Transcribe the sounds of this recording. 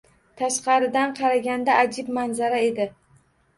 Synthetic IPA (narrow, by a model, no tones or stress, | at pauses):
t̪ʰaʃqɑɾɪd̪anqʰɑɾaɡʲand̪aʔad͡ʒɪbmanzaɾae̞d̪ɪ